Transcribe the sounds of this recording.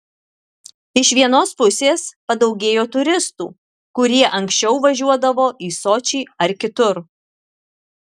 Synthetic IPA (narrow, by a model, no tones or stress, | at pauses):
ɪʃʋʲiɛnoːspʊsʲeːspɐd̪ɒʊɡʲeːjoːt̪ʊɾʲɪst̪ṵː | kʊɾʲiɛʔɐŋʲksʲt͡ʃʲɛʊʋɐʒʲuɔd̪ɐʋoːʔiːsoːt͡ʃʲiːɐɾkʲɪt̪ʊɾ